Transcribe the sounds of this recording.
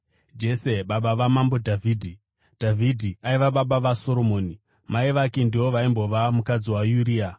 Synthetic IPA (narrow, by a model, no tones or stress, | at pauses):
d͡ʒe̞se̞ɓaɓaʋamambo̞dʱavʱiːdʱi | d̥ʱavʱidʱiaiʋaɓaɓaʋaso̞ɾo̞mo̞ːni | maiʋakindiwo̞ʋaimbo̞ʋamukad͡ziwajuɾiːa